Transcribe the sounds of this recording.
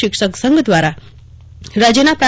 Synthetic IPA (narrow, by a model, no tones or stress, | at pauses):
ikʂəksəŋɡd̪ʋaɾa | ɾad͡ʑenapɾa